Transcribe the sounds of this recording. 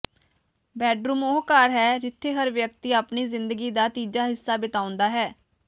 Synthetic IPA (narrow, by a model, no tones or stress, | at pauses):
bɛːɖɾuːmoːkaːɾɦɛːɾɪt̪ʰːeːɦəɾʋjək̚t̪iːaːpniːzɪnd̪əɡiːd̪aːt̪iːd͡ʒaːɦɪsːaːbɪt̪aːʊ̃nd̪aːɦɛː